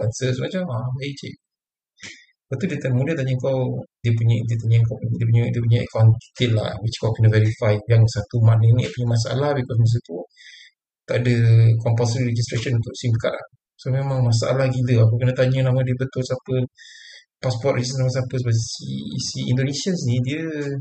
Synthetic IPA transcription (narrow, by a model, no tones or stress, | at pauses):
ansəsəmat͡ʃamabat͡ʃḭʔ | bat̪udiət̪anmudət̪aɲəəŋkawdiəp̬uɲədiət̪aɲəŋkawpɲdiəpuɲədiəp̬uɲaʔə̰kawanki̥t̪ɪʔ̪̚la̰wit͡ʃkawkənəvɛɾifajjaŋsat̪umaʔnənĩpuɲəmas̬aʔa̰lahbikɔs̬mas̬ət̪u | t̪aʔdəkɔmpalsɾiɾed͡ʒist̪ɾeʃənũnt̪ʊʔsimkat̪̚la̰ | somemãŋmas̬aʔa̰lahɡiləakukənət̪aɲənamə̃diəbət̪ʊlsapə | paspɔt̪̚rid͡ʒisamãsapəs̬əbasiːsiḭndonesiənsnĩdiə